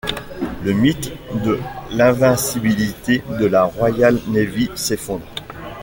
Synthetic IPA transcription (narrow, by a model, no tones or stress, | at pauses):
ləmit̪d̪əlɛ̃vɛ̃sibilit̪ed̪əlaʁwajalnevisefɔ̃d̪ʁe